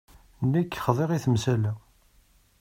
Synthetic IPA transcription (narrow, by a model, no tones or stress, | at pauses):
nːikːχðˤeʁiθəmsælæ